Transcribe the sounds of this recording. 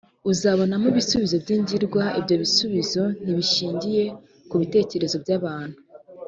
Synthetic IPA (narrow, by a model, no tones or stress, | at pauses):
uzaβo̞namuβisuβizo̞bɟiːɲɟiɾɡwaibɟo̞βisuβizo̞n̥iβiʃiːɲɟije̞ | kuβite̞ːce̞ɾe̞zo̞bɟaːβaːn̥hu̥